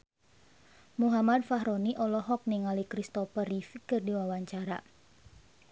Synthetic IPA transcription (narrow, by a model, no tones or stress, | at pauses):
muɦamad̚faɦɾoniʔɔlɔɦɔk̚niŋalikɾist̪ɔfərifikərdiwawaɲt͡ʃaɾa